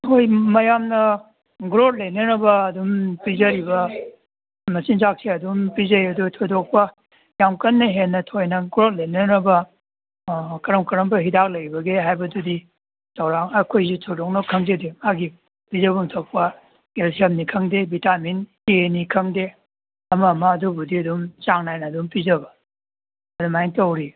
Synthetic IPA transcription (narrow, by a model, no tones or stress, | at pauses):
tʰojmɐjamnɐ | ɡɾot̚lɐjnɐɾɐbɐːdumpizɐɾibɐ | mɐsinzak̚siɐdumpizɐjɐdutʰodok̚pɐ | jamkɐnːɐɦenːɐtʰojnɐɡɾot̚lɐjnɐɾɐbɐ | kɐɾɐmkɐɾɐmbɐɦidak̚lɐjbɐɡeɦajbɐdudi | tʰɐwɾaŋɐkʰojzitʰojdɔk̚nɐkʰɐŋzedemaɡi | pizɐbuŋtʰɐwk̚pɐ | elsʰiɐmnikʰɐŋdebitaminkenikʰɐŋde | ɐmɐmɐːdubudiɐdumt͡ʃaŋnajnɐːdumpizɐbɐ | ɐdumajtɐwɾi